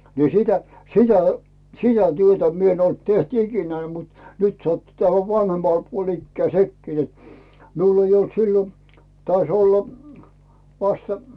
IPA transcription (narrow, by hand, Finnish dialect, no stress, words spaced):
ni sitæ sitæ sitæ tyøtæ mi en olt teht ikinæː mut nyt sɑtːu tæhæ ʋɑnhemːɑl puol ikːæː sekːi net miul ei olt silːo tɑis olː ʋɑstɑ̥